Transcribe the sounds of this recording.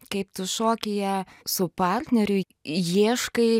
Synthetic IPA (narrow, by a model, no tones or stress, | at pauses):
kɐɪpt̪ʊʃoːkʲɪjɛsʊpɑrʲt̪ʲnʲɛɾʲʊ | jiːʃkɐɪ